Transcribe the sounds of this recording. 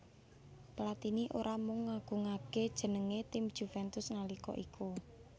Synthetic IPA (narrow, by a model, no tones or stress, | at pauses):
plat̪iniʔoɾʔamʊŋːaɡ̥ṳŋaɡ̥ed̥ʒ̥ə̤nəŋet̪ɪmd̥ʒ̥ṳfɛnt̪ʊsnalikɔ̰ʔikʰu